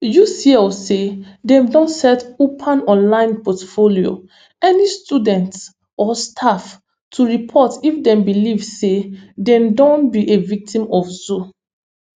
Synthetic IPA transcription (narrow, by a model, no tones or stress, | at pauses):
jusiɛsedɛ̃mdɔ̃ntsɛtopʰãnɔ̃nlãɪ̃npɔtfolio̰ | ɛnistʰudɛ̃nts | ɔstʰaf | tʰuɹipʰɔtifdɛ̃mbilivsedɛ̃mdɔ̃nbiʔevik̚tʰĩmɔfzu